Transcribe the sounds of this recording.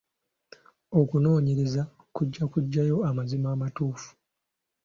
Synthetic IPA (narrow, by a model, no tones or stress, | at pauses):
o̞kuno̞ːɲeɾeza | kuɟːakuɟːajo̞amazimaːmatuːfu̥